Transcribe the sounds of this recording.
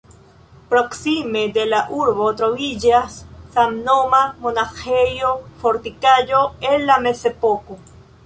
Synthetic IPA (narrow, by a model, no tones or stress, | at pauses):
pɾoksimed̪elaʔuɾβot̪ɾovid͡ʒasːamnomamonaxejofoɾt̪ikaʝoenlamesepoku